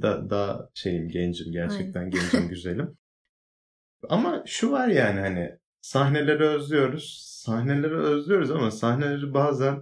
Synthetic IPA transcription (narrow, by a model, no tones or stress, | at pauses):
d̪a̰d̪aʃe̞jimɟɛnd͡ʒimɟæɾt͡ʃʰɛc̚t̪ʰænɟend͡ʒimɟyze̞lʲim | amaʃuvaɾjaːnihanɪ̰ | sahne̞lʲe̞ɾiø̞zlʲyjo̞ɾuz̥sahne̞lʲe̞ɾiø̞zlʲyjo̞ɾuzamasahnelʲeɾibaːzæn